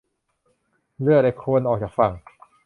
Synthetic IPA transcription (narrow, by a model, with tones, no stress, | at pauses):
lɯ˥˩ək̚da˧˩kʰu˧ənʔɔː˨˩k̚t͡ɕaː˨˩k̚fa˨˩ŋ